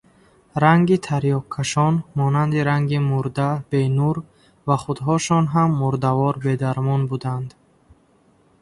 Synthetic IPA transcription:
ɾaŋɡit̪ʰaɾjɔkʰːaʃɔnmɔnand̪iɾaŋɡimuɾd̪ab̥enuɾ | vaχud̪ɦɔʃɔnɦamːuɾd̪avɔɾbe̞d̪aɾmɔnbud̪and̪

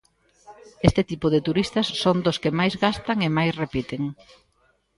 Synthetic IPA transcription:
est̪ɪt̪ipʊðɪt̪uɾist̪ɐsːond̪ʊskɪmajzɣast̪ɐŋemajsrepit̪eŋ

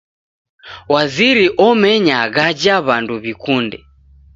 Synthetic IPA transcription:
waziɾiʔɔmɛɲaɣad͡ʒaβanduβikundɛ

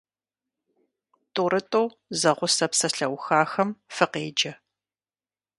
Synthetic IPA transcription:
tʼʊɾɨtʼow | zɐʁʷʊsɐpsɐɬɐwxaːxɐmfɨqeːd͡ʒɐ

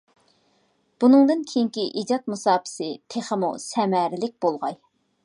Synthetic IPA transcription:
b̥unɨŋd̪ɨnkʲʰejiŋkʲiʔid͡ʒɑt̪̚musɑːpʰɪ̥sɨt̪ʰeχəmṵsɛmæɾɪlɪk̚ʲbolˠʁɑj

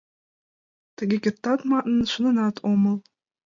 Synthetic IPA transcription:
t̪ɘ̆ɡʲekʲet̪ːɑt̪mɑʔ̪nɤ̆nʃɤ̆nɤ̆nɑt̪ʰomɤ̆lˠ

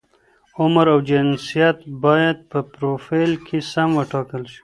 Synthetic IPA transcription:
ʊmɾawd͡ʒɪnsijat̪bɑjad̪̚pəpɾofijlkʰesamwəʈɑkəlʃi̥

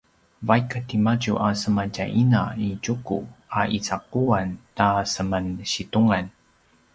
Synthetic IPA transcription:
vajkatimaɟuʔasəmaɟaʔinaiɟukṵaʔit͡saquantasəmanɕituŋan

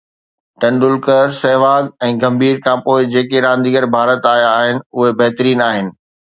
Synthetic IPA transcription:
ʈɐ̃ɳɖʊlkəsɛɦʋaːɡɛ̃ːɡɐ̃mbʱiːɾkʰãːpoːɪd͡ʑeːkeɾãːnd̪iːəɾbʱaːɾət̪aːɦijaːɦɪnɪ̆ʊɦebɐɦt̪ɾiːnaːɦɪnɪ̆

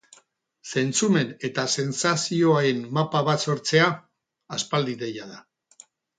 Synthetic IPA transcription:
se̞nt͡sume̞ne̞t̪ase̞nsasio̞aɾe̞nːapaβaso̞ɾt͡se̞aː | spald̪iðe̞jaða

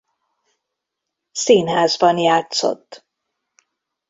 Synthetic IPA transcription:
siːnɦaːzbɒnjaːt̪so̰t̪ː

